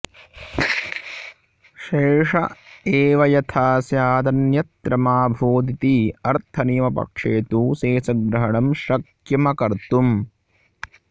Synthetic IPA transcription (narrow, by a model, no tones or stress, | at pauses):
ʃeːʂɐ̰eːʋɐjɐt̪ʰaːsjaːd̪ɐnjɐt̪ːɾɐmaːbʱoːd̪it̪iɐɾt̪ʰɐniːmɐpɐ̰kʂeːt̪useːsɐɡ̚bɾɐɦɐɳɐmʃɐk | jɐmɐkɐɾt̪um